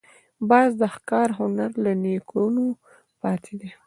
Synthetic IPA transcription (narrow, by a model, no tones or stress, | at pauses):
bɑzd̪əxkɑɾɦʊnaɾlanekɽuno | pɑt̪ʰed̪i